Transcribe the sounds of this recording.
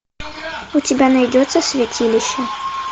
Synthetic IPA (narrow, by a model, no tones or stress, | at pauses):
ʊtʲɪbʲanajdʲɔt̪sːəsʲvʲatʲilʲɪɕːɐ